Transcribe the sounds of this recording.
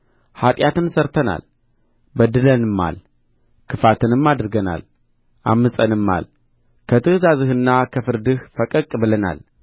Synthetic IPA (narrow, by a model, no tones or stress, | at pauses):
hat̪ʼjat̪ɨnsəɾt̪ʰəna̰l | bəd̪ɨlənɨmːa̰l | kʰɨfat̪ʰɨnɨmːad̪ɨɾɡəna̰l | ʔa̰mːɨsʼənɨmːa̰l | kʰət̪ʰɨhzazɨhɨnːakʰəfɨɾd̪ɨhfəkʼəkʼbɨləna̰l